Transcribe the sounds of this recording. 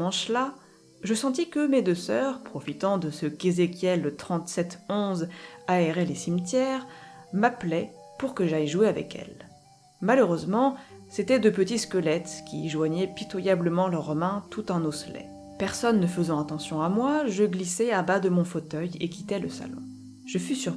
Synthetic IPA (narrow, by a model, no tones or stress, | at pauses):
ɑ̃ʃla | ʒəsɑ̃t̪ikəmed̪øsœʁpχɔfit̪ɑ̃d̪əsəkezekʲjɛlːt̪χɑ̃t̪sɛt̪ɔ̃zaɛʁɛlesimt̪jɛʁmaplɛ | puʁkəʒajʒueavɛ̰kʰɛ̰l | maløʁøzmɑ̃set̪ɛd̪əpət̪it̪skəlɛt̪kʲḭʒwaɲɛpit̪wajabləmɑ̃lœʁmɛ̃t̪ut̪ɛ̃noslɛ̰ | pɛʁsɔnːəfəzɑ̃at̪ɑ̃sjɔ̃amwaʒəɡlisɛabad̪əmɔ̃fot̪œjḛkʲit̪ɛləsa̰lɔ̰̃ | ʒəfysyʁ